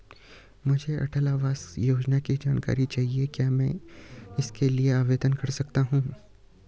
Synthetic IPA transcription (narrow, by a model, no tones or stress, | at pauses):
mʊd͡ʒʱeʔɐ̰ʈʰəlaːʋaːz̥joːd͡ʒnakid͡ʒaːnka̰ːɾit͡ʃaːɦiekjaːmɛ̃ːɪskelieaːʋeːd̪ənkɐɾsɐkt̪aɦũː